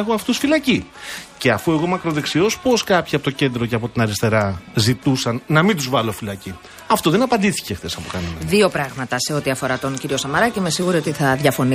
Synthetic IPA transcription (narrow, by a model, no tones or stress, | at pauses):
xoɐft̪usfilɐcice̞ɐfue̞ɣo̞mɐkɾo̞ðe̞ksio̞spo̞skɐpçiɐpot̪oce̞nd̪ɾoceɐpo̞t̪inɐɾist̪eɾɐzit̪usɐnːɐmind̪uzvɐlofilɐci | ɐft̪o̞ðe̞nɐpɐnd̪iθi̥ce̞xθe̞sɐpo̞kɐnenɐðio̞pɾɐɣmɐt̪ɐse̞o̞t̪iɐfo̞ɾɐt̪o̞nciɾio̞sɐmɐɾɐcimesiɣuɾio̞t̪iθɐðʝɐfo̞ni